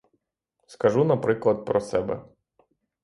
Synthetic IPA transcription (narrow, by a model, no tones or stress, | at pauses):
skɐʒunɐpɾɪklˠɐd̪̚pɾɔsɛbɛ̰